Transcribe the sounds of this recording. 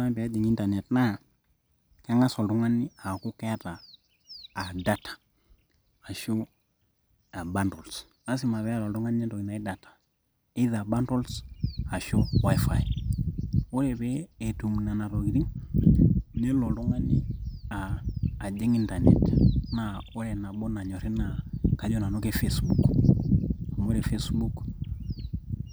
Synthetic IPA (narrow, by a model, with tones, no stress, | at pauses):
a˦bi˨a˦d͡ʒi˨ŋi˦nta˨nɛ˨tna˦˨ | ka˦ŋa˦sɔ˨ltu˦ŋa˦ni˦a˨ku˦ka˦a˦taː˨ | da˦tḁ˨ | a˨ʃu˦ | a˨ba˦ntɔ˨ls | a˦s̬i˦ma˨bɛ˦a˦lɔ˨ltu˦ŋa˦n˦a˦to˨ɡi˨na˨i˦da˨tḁ˨ | i˦ða˨ba˦nto˦lsa˨ʃu˦wa˦jfa˨j | o˦ɾɛ˨βɛː˦˨tu˨m˨na˨na˨ɾɔ˨ɡi˨ɾi˦ŋ | ne˦lɔ˨ɔ˦ŋa˦ni˦aː˨d͡ʒɛ˦ŋi˦nta˨nɛ̰˨tna˨o˦ɾɛ˨na˨ɓɔ˦na˨ɲɔ˨ɾɛ˦na˨ka˦d͡ʒɔ˦na˨no˦ke˦fe˦sbu˨k | a˨mo˦ɾɛ˨fe˦sbu˦k